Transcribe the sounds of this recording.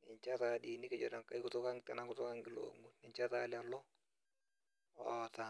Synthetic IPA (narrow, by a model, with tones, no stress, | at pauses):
nɪ˨ɲt͡ʃa˦ta˨di˨ni˦kɪ˦d͡ʒɔ˨da˨ka˨i˦kʊ˦tʊ˦ka˦ŋtɛ˨na˨kʊ˦tʊ˦ka˦ŋɡɪ˨lo̰ŋu˦nɪ˨ɲt͡ʃa˦ta˦la˨lɔ˦ | ɔ˨ta˨